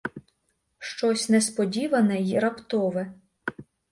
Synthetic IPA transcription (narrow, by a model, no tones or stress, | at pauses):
ʃt͡ʃɔsʲnɛspɔdʲiʋɐnɛjɾɐpt̪ɔʋɛ